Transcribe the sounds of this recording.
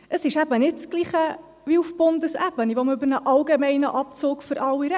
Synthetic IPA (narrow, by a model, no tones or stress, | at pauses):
ʔəsɪʃæbənɪt̚t͡sɡ̥liːχə | viufbʊndəsæbəniʋɔməøbəɾnəʔɑlɡemɛɪnə̰ʔɑp̚t͡soːkfʏɾʔɑlːiɾɛ